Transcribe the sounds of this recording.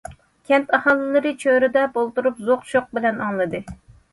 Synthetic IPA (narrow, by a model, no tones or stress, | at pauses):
kʲʰɛnt̪ɑhɑːlˠɨlˠɨɾɨt͡ʃʰøɾɪd̪ɛbolˠt̪uɾupzoqʃoq̚bɪlɛnɑŋlˠɨd̪ɨ